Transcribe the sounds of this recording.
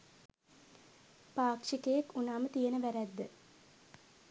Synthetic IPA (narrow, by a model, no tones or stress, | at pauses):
paːkʂikəjekunaːmət̪ijenəʋæɾæd̪ːə